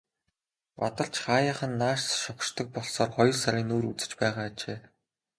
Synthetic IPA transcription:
pat̪ə̆ɮt͡ɕχaːjaːχə̆nːaːʃtʃɔχʃt̪ɞ̆k̚pɔɮsɔːrχɔjɞ̆rsaɾʲiːnoːɾut͡sɘ̥̆t͡ɕpæːʁaːt͡ɕeː

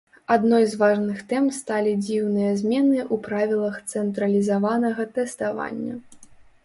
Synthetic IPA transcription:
ad̪nɔjzvaʐnɨxt̪ɛmst̪alʲid͡zʲiwnɨjɐzʲmʲɛnɨʔupɾavʲilˠɐxt̪sɛnt̪ɾɐlʲizavanɐɣɐt̪ɛst̪ava̰nʲːɐ̰

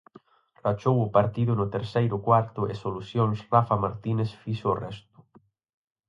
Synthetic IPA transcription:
rat͡ʃowʊpaɾt̪iðʊnʊt̪eɾsejɾʊkwaɾt̪ʊesolusjonsrafamaɾt̪inesfiʃoːrɛst̪u̥

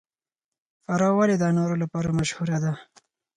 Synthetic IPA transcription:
faɾɑwaled̪anoɾolapɑɾamaʃhuɾad̪a

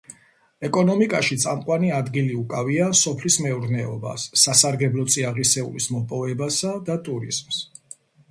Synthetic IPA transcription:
ɛkʼɔnɔmikʼaʃit̪sʼamqʼwaniad̪ɡiliukʼaviasɔpʰlismɛuɾnɛɔ̰ba̰sːasaɾɡɛblˠɔt̪sʼiaʁisɛṵlismɔpʼɔvɛbasad̪at̪ʼuɾḭzms

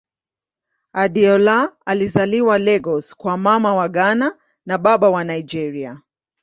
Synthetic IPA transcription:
aɗiɔlaalizaliwalɛɡɔskwamamawaɡana | naɓaɓawanaid͡ʒɛɾia

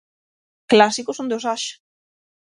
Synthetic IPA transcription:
klasikosõnd̪osaʃ

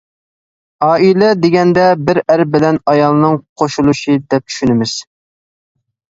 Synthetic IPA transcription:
ɑːilɛd̪eɡʲɛnd̪ɛbɪɾæɾbɪlɛnɑjɑlˠnɨŋqʰoʃulˠuʃɨd̪ɛp̚t͡ʃʰy̥ʃynɪmɪz̥

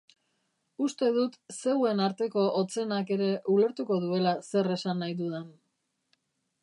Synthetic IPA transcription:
ust̪e̞ðut̪se̞we̞naɾt̪e̞ko̞ʔot͡se̞nake̞ɾe̞ʔule̞ɾt̪uko̞ðue̞lase̞re̞sanːajðuðen

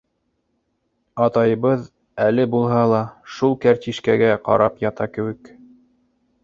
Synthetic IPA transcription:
ɑt̪ɑjɤβɤð | ælɘbulˠɦɑlˠɑʃulˠkæɾt̪ʲiʃkæɡæqɑ̰ɾɑpjɑt̪ɑkɘ̆wɘk

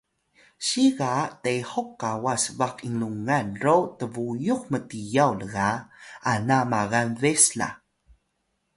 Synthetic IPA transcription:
ɕiɣatehokːawasvaqiŋluŋanɾotəvujuxmətijawləɣaanamaɣanvesla̰

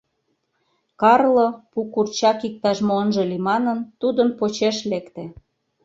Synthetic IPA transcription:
kɑrlopukurt͡ɕɑkik̚t̪ɑʃmoənʒĕlimɑnənt̪ud̪əmpot͡ɕeʃlekt̪e

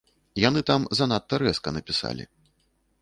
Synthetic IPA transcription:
janɨt̪amzɐnat̪ːɐɾɛskɐnɐpʲisa̰lʲḭ

